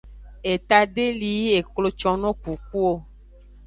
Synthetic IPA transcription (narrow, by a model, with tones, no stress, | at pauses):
e˨t̪a˨ɖe˦li˨˦e˨klo˦t͡ʃɔ˦nɔ̃˦ku˨ku˦o˦